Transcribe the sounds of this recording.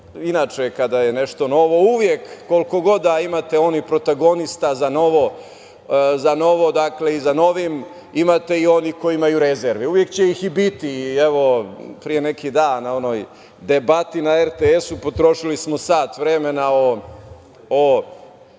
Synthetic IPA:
inaːt͡ʂekad̪aje̞neʃt̪o̞no̞ʋo̞uʋjekːo̞lko̞ɡo̞d̪aimat̪e̞o̞nipɾot̪aɡo̞nist̪azano̞ʋo̞ | zano̞ʋo̞d̪akle̞izano̞ʋim | imat̪e̞io̞nikoiimajuɾezeɾʋiuʋjekt͡ɕejixibit̪ieʋo̞pɾijenekid̪aːnnaono̞j | d̪e̞bat̪inaeɾt̪eesupo̞t̪ɾo̞ʃilismo̞saːt̪ʋɾeme̞nao | o

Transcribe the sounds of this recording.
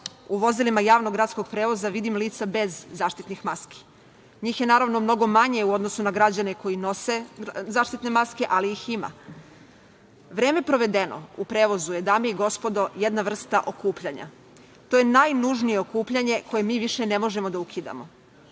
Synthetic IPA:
uʋo̞zilimajaːʋnoɡɾat̪sko̞ɡ̚pɾe̞ːʋo̞zaʋid̪imliːt̪sabe̞zːaːʃt̪it̪nixmaski̥ | ɲiːxje̞naːɾaʋno̞mno̞ɡo̞maɲe̞uo̞d̪no̞sunaɡɾad͡ʑane̞ko̞jino̞se̞zaːʃt̪it̪ne̞maske̞ʔaliixima̰ | ʋɾeːme̞pɾo̞ʋe̞d̪e̞no̰upɾe̞ːʋo̞zuje̞d̪aːmeiɡo̞spo̞d̪o̞je̞d̪naʋr̩st̪aʔo̞kuːpʎaɲa̰ | t̪o̞ːjenajnuʒnije̞okuːpʎaɲe̞ko̞je̞miːʋiʃene̞mo̞ʒe̞mo̞d̪aukʰid̪a̰mo̞̰

